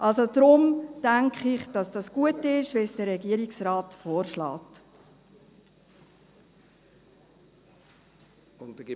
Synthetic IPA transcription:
ʔɑlsod̪̥ɾʊmd̥æŋkχɪχd̥ɑsd̥ɑsɡ̥uətɪʃʋɛsd̥əɾːɛɡiəɾiksrɑːtfɔːɾʃlɑ̰ːt | n

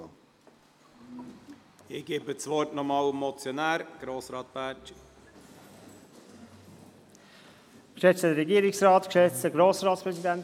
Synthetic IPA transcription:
ɪɡ̥eːbət͡sʋɔɾtnɔmɑːlmːɔt͡sjɔnæːɾɡ̥ɾoːsɾɑːt̪̚b̥æːt | kʃɛt͡sədəɾɛɡiːəɾɪksrɑːt̪kʃɛt͡stəɡɾoːsɾɑːtspʁɛsidænt

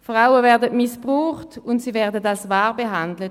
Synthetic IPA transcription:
fʁaʊəvɛɐdətmɪsbʁuːχtʊntsiːvɛʁdətalsvaːʁbeɦandlət

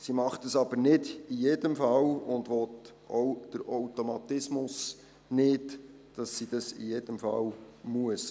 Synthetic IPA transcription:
simɑχtəsɑbəɾnɪdijedəmfɑlʊnd̪ʋɔt | ʔowd̥əɾowt̪omɑt̪ɪsmʊs | nɪd | d̥ɑsːid̥ɑsḭjeːd̥əmfɑ̰lmuəs

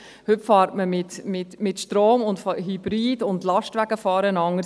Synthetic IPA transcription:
hʏpfɑːɾtməmɪtmɪtmɪtʃtɾoːmʊntfɦibɾiːdʊndlɑʃtʋæɡ̥əfɑːɾənɑŋə

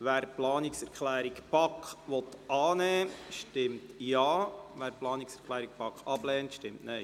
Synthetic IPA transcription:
ʋæːɾplɑːniksɛɾkχlæːɾikpɑkχʋɔt̪ʔɑːnɛːʃtɪmtjɑːʋæːɾplɑːniksɛɾkʰχlæːɾik̚pɑkχɑb̥lɛːntʃtɪmtnɛj

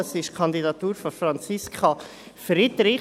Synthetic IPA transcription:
əsɪʃkʰɑnd̪idɑt̪uːɾfɔfɾɑnt͡siskʰχa | fɾid̪ɾɪ

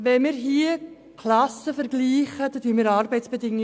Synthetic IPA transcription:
ʋɛnmɪːɾɦiə | kʰlɑsəfɛɾɡliːχəd̥otyːəmiːɾɑːɾbɛɪtsb̥edɪŋ

